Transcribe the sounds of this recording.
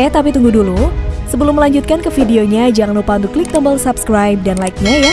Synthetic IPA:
t̪apit̪uŋɡudulusəbəlʊmːəlaɲd͡ʒut̪̚kankəfideoɲad͡ʒaŋanupaunt̪ʊkːlik̚t̪əmbəlsapskɾajp̚danlaik̚ɲaja

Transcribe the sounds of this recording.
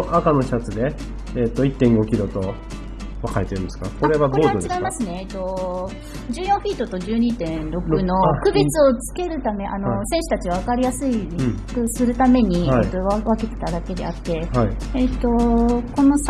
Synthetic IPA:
ʔakano̞çi̥at͡sɨd̪e̞ː | t̪ːo̞it̪ːẽ̞ŋɡo̞kʲiɾo̞t̪o̞ | βakaet̪eɾɯ̟̃nesɨ̥kako̞ɾe̞βaboːd̪ot͡ɕeiɡaimasɨne̞ːt̪ːo̞ | d͡ʑɨːjõɰ̃ɸiːt̪ːo̞t̪o̞d͡ʑɨːɲ̟iːt̪ẽ̞ɾo̞kɯ̟no̞kɯ̟bet͡sɨo̞t͡sɨ̥ke̞ɾɯ̟t̪ame̞ʔano̞sẽɕɨ̥t̪at͡ɕiβaβakaɾʲijasɨiɾkɯsɨɾɯ̟t̪ame̞ɲ̟ieit̪oβaβake̞t̪e̞̥t̪ad̪ake̞d̪e̞at̪ːe̞hai | et̪o̞ko̞no̞s

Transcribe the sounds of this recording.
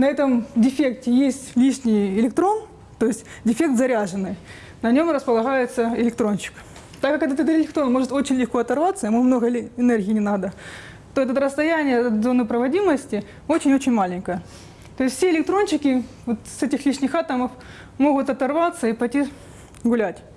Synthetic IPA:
nɐɛt̪əmdʲɪfʲek̚tʲɪjesʲtʲlʲiʂnʲɪjɪlʲɪk̚t̪ɾo̞n | t̪o̞jɪsʲtʲdʲɪfʲe̞k̚t̪zɐɾʲaʐɨnːɨj | nɐnʲo̞mɾəspəlˠɐɣajɪt̪səɪlʲɪk̚t̪ɾo̞nt͡ɕɪ̥k | t̪akːakɛt̪ɛt̪ət̪əɪlʲɪk̚t̪ɾonmo̞ʐɨt̪o̞t͡ɕɪnʲlʲɪxko̞ɐt̪ɐrvat̪sːəɪmumno̞ɣəɪnɛrɣʲɪːnʲɪnad̪ə | t̪o̞ɛt̪ət̪ɾəst̪ɐjænʲɪjəd̪zo̞nɨpɾəvɐdʲiməsʲtʲɪ | o̞t͡ɕɪnʲo̞t͡ɕɪnʲmalʲɪnʲkəjə | t̪o̞ɪsʲtfsʲeɪlʲɪk̚t̪ɾo̞nt͡ɕɪkʲɪ | vo̞t̪sɛtʲɪxlʲiʂnʲɪxat̪əməf | mo̞ɣʊt̪ɐt̪ɐrvat̪sːəipɐjtʲi | ɡʊlʲætʲ

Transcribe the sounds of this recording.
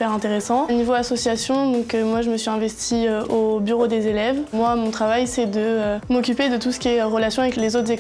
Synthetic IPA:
pɛʁɛ̃t̪eʁesɑ̃nivoasɔsjasjɔ̃d̪ɔ̃kømwaʒəməsɥiɛ̃vɛst̪iøobyʁod̪ezelɛvmwamɔ̃t̪χavajsɛd̪əømɔkʲyped̪ət̪usə̥kʲiɛʁəlasjɔ̃avɛklezot̪χzɛ

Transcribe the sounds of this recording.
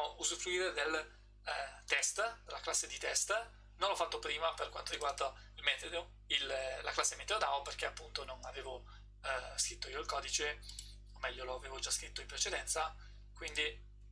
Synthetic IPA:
ouzufɾuiːɾed̪el | t̪ɛst̪d̪elːaklasːed̪it̪ɛst̪ | nõnlɔfːat̪ːopɾiːmaperkwant̪oɾiɡward̪a | ilmɛt̪ed̪o | ilːaklasːemet̪ːed̪od̪aːvoperk̟eapːunt̪ononaveːvo | skɾit̪ːoiːoilkɔːd̪it͡ʃe | omːɛʎːoloaveːvod͡ʒaskɾit̪ːoimpɾet͡ʃed̪ɛnt̪sa | kwind̪i

